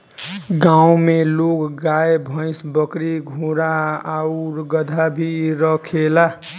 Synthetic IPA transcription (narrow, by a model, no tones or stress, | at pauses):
ɡãw̃melokɡajebʱʌ̃jsbʌkɾiɡʱũɾaauɾɡʌd̪ʱabʱiɾʌkʰela